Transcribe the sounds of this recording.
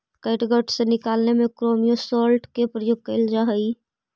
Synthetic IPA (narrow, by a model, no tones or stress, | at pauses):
kəɪʈɡəʈʰsenɪkaːlnemekɾomijõsɔlʈkepɾəjoɡ̚kəɪld͡ʒaɦəi